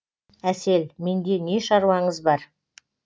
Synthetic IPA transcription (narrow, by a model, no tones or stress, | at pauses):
æse̞lme̞nd̪e̞ne̞ʃɑɾwɑɴəzbɑɾ